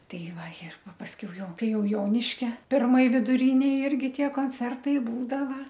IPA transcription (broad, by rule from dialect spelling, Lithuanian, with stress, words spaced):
ˈtɐɪ ˈʋɐ ɪr ˈpɐ pɐsʲˈkʲɛʊ ˈjɛʊ ˈkɐɪ ˈjɛʊ ˈjoːnʲɪʃʲkʲɛ pʲɪrˈmoːj ʋʲɪdʊˈrʲɪnʲeːj ˈɪrʲɡʲɪ ˈtʲiɛ koːnʲˈt͡sʲɛrtɐɪ ˈbuːdɐʋɐ